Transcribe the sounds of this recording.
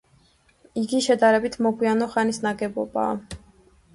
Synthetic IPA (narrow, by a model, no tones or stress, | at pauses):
iɡiʃɛd̪aɾɛbit̪ʰmɔɡwianɔχanisnaɡɛbɔ̰ba̰a̰